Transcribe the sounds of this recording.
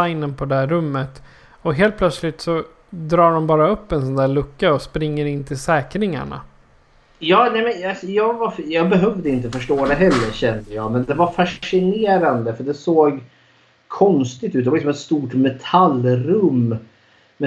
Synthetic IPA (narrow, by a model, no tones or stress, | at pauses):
aɪnənpʰɔd̪ɛæːɵmːət̪ | ɔɦeːlt̪̚pʰlœt̪slɪt̪sɔ | d̪ɾɑːɖɔmbɑːɾaɵpːɛnsɔnd̪æːɭɵkːaɔspɾɪŋːəɾɪnːt̪ʰɪlsɛːkɾɪŋa̰ɳa̰ | jɑːnɛmɛnasɔjɑːɡvaɾjɑːɡbɛɦœvd̪əɪnt̪əfœʂʈoːd̪ɛɦɛlːəɾɕɛnd̪əjɑ̰ːɡmɛnd̪ɛvaɾfaʂʂɪneːɾand̪əfəɖɛsoːɡ | kʰɔnst̪ɪɡt̪ʉ̟t̪ɛvalɪksɔmɛt̪st̪uːʈmɛt̪ʰalɾɵmː | mɛ